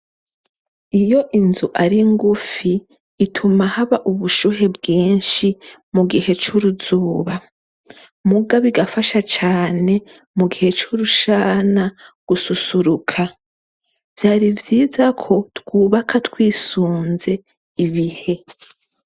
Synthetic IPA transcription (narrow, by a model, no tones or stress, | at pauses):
ijo̞ʔinzuʔaɾiŋɡufiː | tʰumahaβaʔuβuʃuɦe̞bɡiːnʃimuɡihe̞t͡ʃuɾuzuːβa | muɡaβiɡafaʃat͡ʃaːne̞ | muɡihe̞t͡ʃuɾuʃaːnaɡ̥ususuɾukʰa | v̥jaːɾivjiːzakʰo̞twuːβakʰatwiːsuːnze̞ | iβihe̞